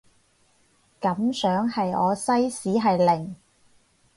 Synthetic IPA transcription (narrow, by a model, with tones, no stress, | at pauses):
kɐ˨˥msœː˨˥ŋhɐ˨jɔː˨˧sɐ˥jsiː˨˥ɦɐ˨jlɪ˨˩ŋ